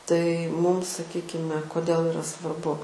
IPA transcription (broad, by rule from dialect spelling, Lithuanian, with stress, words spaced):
tɐɪ ˈmuːm sɐˈkʲiːkʲɪmʲɛ koːˈdʲeːlˠ ɪˈrɐ sʋɐrˈbʊ